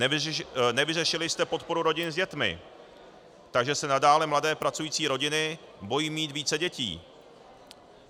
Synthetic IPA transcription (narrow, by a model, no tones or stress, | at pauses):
nɛvɪrɛʃɪlɪjst̪ɛpo̞t̪̚po̞ɾuɾo̞ɟɪnzɟɛt̪mɪ̰ | t̪aɡʒɛsɛnadaːlɛmladɛːpɾat͡sujiːt͡siːɾo̞ɟɪnɪ | bo̞jiːmiːt̪viːt͡sɛɟɛcḭː